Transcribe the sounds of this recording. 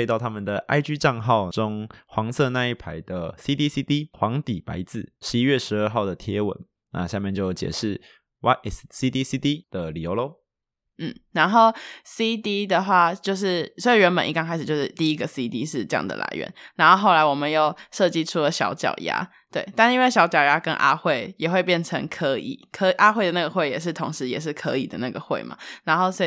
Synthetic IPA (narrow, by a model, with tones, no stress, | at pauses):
e˧ɪt̪ɑ˥˩ʊt̪ʰa˥mə˨nd̪ə˩ʔa̰˥˧ɪt͡ɕy˥˧ʈ͡ʂɑ˥˧ŋxɑ˥˩ʊʈ͡ʂo˥ŋxwɑ˧˥ŋsɤ˥˧na˥˧i˥˩pʰa˧˥ɪd̪ə˨si˥t̪i˥si˥t̪i˥xwɑ˧˥ŋt̪i˨˩pa̰˧˥ɪt͡sɹ̩˨˩ʂɻ̩˧˦i˥ɥɛ˥˩ʂɻ̩˧˥ə˞˥˧xɑ˥˩ʊd̪ə˩t̪ʰjɛ˧˦wə̰˨˩˦n | nʔa̰˥˧ɕja˥˧mjɛ˥˧nt͡ɕjo˥˩ʊt͡ɕjɛ̰˨˩ʂɻ̩˥˩ | wʔa˥ɪʔɛ˩ssi˦˥t̪i˥si˥t̪i˥d̪̥ə˨li˨˩jo˧˥ʊlo˥ʊ | n̩˥˩na˧˥nxo˥˩ʊsi˥t̪i˥d̪ə˨xwa˥˩t͡ɕjo˥˧ʊʂ̬ɻ̩˥˩swi˨˩ɥɛ˧˥npə˨˩nʔḭ˥˩kɑ˥ŋʰa˧˥ɪʂ̩ɻ̩˨˩t͡ɕjo˥˧ʊʂɻ̩˥˩t̪i˥˩i˦˥ɡə˨si˦t̪i˦ʂɻ̩˥˩˧ʈ͡ʂɤ˥˧jɑ̰˥˩ŋd̪ə̰˩lʔa̰˧˥ɪɥɛ̰˧˦nna˧˥nxo˥˧xo˥˩ʊla˧˥ɪwɔ˨˩mə˦njo˥˩ʊʂɤ˥˧t͡ɕi˥˧ʈ͡ʂʰu˦lə˨ɕjɑ̰˧˥ʊt͡ɕjɑ̰˨˩ʊja̰˧˥ | t̪we˥˩ɪt̪a˥˧ni˥˦ŋwe˥˩ɕjɑ˧˥ʊt͡ɕjɑ˨˩ʊja˦˥kə̰˦nʔa̰˥xwe˥˩ɪjɛ˨˩xwe˥˧ɪp̬jɛ˥˩nʈ͡ʂʰə˧˥ŋkʰɤ˧˥ḭ˨˩˦kʰə˧˥i˨˩ʔa˥xwe˥˩ɪd̪ə˩na˥˩ɡə˩xwe˥˩ɪjɛ̰˨˩ʂ̬ɻ̩˥˩t̪ʰʊ˧˥ŋʂɻ̩˧˦jɛ̰˨˩ʂ̬ɻ̩˥˩kʰɤ˧˦ḭ˨˩d̪ə̰˦na˥˩ɡə̰˩xwe˥˩ɪma̰˨˩na˧˦nxo˥˩ʊsɔ˧˥